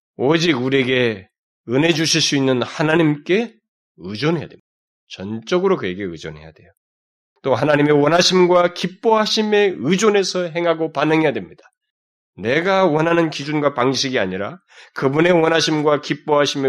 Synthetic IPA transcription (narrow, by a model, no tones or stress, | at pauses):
od͡ʑiɡuɾieɡe̞ | ɯne̞d͡ʑuɕʰiɭs͈uinːɯnhanaɲimk͈e̞ | ɯd͡ʑʌnɦe̞ja̰dwemɲid̥a | t͡ɕʌnt͡ɕ͈ʌɡɯɾokɯje̞ɡe̞ɯd͡ʑonɦe̞̰ja̰dwe̞̰jo | t͈ohanaɲimewʌnɦaɕʰimɡwakip͈oɦaɕʰime̞ɯd͡ʑone̞sʰʌɦe̞ŋɦaɡopanɯŋɦe̞jadwemɲid̥ḁ | ne̞ɡawʌnɦanɯnkid͡ʑunɡwapaŋɕʰiɡiaɲiɾa | kɯbune̞wʌnɦaɕʰimɡwakip͈oɦaɕʰime